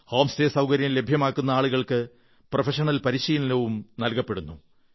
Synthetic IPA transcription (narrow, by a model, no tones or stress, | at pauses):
hoːmste̞ːsɐwkɐɾjɐlːe̞bʱjɐmaːkːunːɐaːɭuɣɐɭkɨ | profɐʂɐɳɐlpɐɾiɕɐjinlɐʋumnɐlkɐpːe̞ɽunːu